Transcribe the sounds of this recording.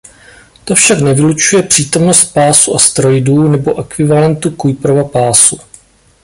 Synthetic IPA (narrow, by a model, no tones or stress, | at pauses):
t̪o̞fʃaknɛvɪlut͡ʃujɛpr̝̥iːt̪o̞mno̞st̪̚paːsuʔast̪ɾo̞jduːnɛbo̞ʔɛkvɪvalɛnt̪ukujpɾovapaːsu